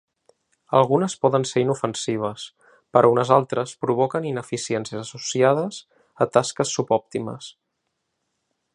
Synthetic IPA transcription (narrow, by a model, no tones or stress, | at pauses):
əlˠɣunəspɔðənseɾinufənsiβ̞əs | pəɾʔɔunəzalˠt̪ɾəspɾuβ̞ɔkəninəfisiɛnsiəzəsusiaðəz | ət̪askəsːupɔp̚t̪imə̰s